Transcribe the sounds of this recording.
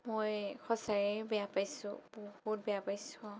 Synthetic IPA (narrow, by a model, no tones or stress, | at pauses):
mojxʰɔsaɹɛbɛjapajsʊ̰̃bɔhut̚bɛjapajsʊ̃